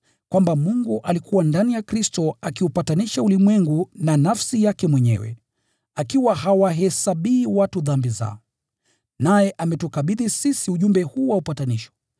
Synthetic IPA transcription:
kwambamuŋɡuʔalikʰuwandanijakɾistɔakiupataniʃaulimwɛŋɡunanafsijakɛmwɛɲɛ̰wɛ̰ | akiwaɦawaɦɛsaɓiːwatuðambiza̰ɔ | najɛʔamɛtukaɓiðisisiuʄumbɛhuːwaupataniʃɔ̥

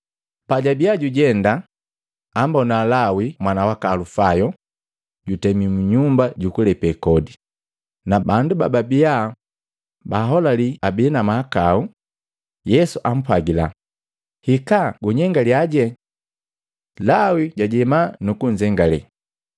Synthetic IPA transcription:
paɟabiaɟuɟɛndaː | mbɔnalawimwanawakalufajɔ | ɟutɛmimuɲumbaɟukulɛpɛkɔdi | nabanduba̰babia | baɦɔlaliabiːnamaakau | jɛsuʔam̩pwaɡila̰ | hikaɡuɲɛŋɡaliaɟɛ | lawiɟaɟɛmanukuɲd͡ʒɛŋɡalɛ̰

